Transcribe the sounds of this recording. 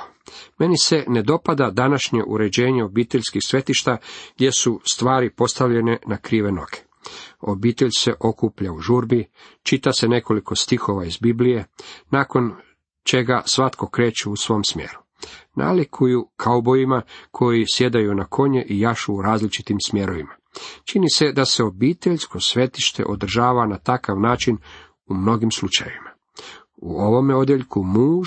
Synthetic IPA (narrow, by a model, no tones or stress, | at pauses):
me̞nise̞ne̞d̪o̞pad̪ad̪anaʃɲe̞ʔṵɾe̞d͡ʑe̞ːɲeo̞biːt̪eʎʲskixsʋe̞t̪iʃt̪aɡd̪je̞sust̪ʋaːɾipo̞st̪aʋʎe̞nenakɾiːʋe̞no̞ɡe̥ | o̞biːt̪eʎse̞ʔo̞kuːpʎauʒuɾbi | t͡ʃit̪ase̞ne̞ko̞liko̞st̪ixo̞ʋaizbiblije̞naːko̞n | t͡ʃe̞ɡasʋat̪ko̞kɾe̞ːt͡ʃeusʋo̞msmje̞̰ɾu | nʔa̰likʰujukʰaubo̞ʋimakʰo̞jisje̞d̪ajunakʰo̞ɲeʔijaʃuːɾaːzlit͡ʃit̪imsmje̞ɾo̞ʋima | t͡ʃinise̞d̪ase̞o̞biːt̪eʎsko̞sʋe̞t̪iʃt̪e̞̰ʔod̪r̩ʒaːʋanat̪akaʋnaːt͡ʃin | umno̞ɡimslut͡ʃajeʋima | uo̞ʋo̞meo̞d̪jeʎkumuː